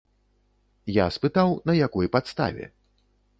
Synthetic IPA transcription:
jaspɨt̪awnɐjakɔjpat̪st̪a̰vʲɛ̰

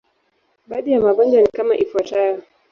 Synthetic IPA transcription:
ɓaɗijamaɡɔnd͡ʒanikama̰ʔifwatajɔ

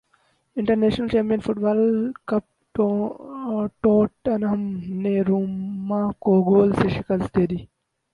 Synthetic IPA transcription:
ɪɳʈɐɾneːʃnəlt͡ʃẽːmpijənfuʈ̚baːlkɐp̚ | o | ʈoːʈɐnɐɦɐmneːɾuːmmakoːɡoːlseʃikɐlst̪eːd̪i

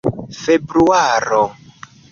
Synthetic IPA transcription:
febɾuaɾo

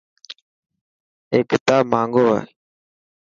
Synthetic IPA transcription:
eːkɪt̪aːmãːŋɡoːɦḛː

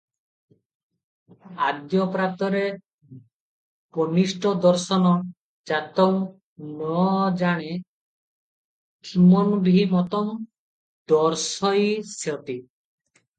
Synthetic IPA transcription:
ad̪jɔpɾat̪ɔɾe | pɔnisʈɔd̪ɔɾsɔnɔ | d͡ʒat̪ɔŋ | nɔd͡ʒaɽ̃e | kʰimɔnbʱiimɔt̪ɔm | d̪ɔɾsɔjsɔt̪i

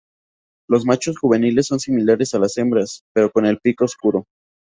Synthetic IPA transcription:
lo̞zmat͡ʃo̞sxuβ̞e̞nile̞sːo̞nsimilaɾe̞salase̞mbɾaspe̞ɾo̞ko̞ne̞lpikoskuɾo̞

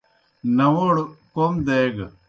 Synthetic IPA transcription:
nɐʋoɽkomd̪eːɡ

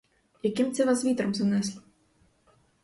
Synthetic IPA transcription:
jakʲimt͡sʲɛvasvʲit̪ɾɐmzanɛsʲlʲi

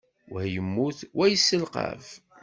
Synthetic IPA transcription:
wæjəmːuθwæjəsːəlqɑ̰v

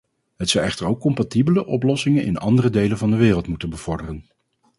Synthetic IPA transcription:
ɦətsɑwɛχtəɹowkːɔmpatibələʔɔplɔsɪŋənʔɪ̰nɑ̰ndərədejlənvɑndəʋɪːrəlˠtmutənbəv̥ɔɹdərən

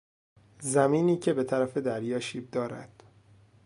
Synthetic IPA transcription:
zæmiːniːcʰe̞be̞t̪ʰæɾæfe̞d̪æɾjɒːʃiːb̚d̪ɒːɾæ̰d̪̥

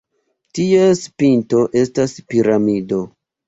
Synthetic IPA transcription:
tiespinto̞ʔe̞staspiɾamido̞

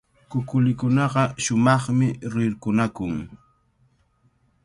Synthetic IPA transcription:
kʊkʊlɪkʊnɑɢɑʃʊmɑχmɪɾɪɾkʊnakʊŋ

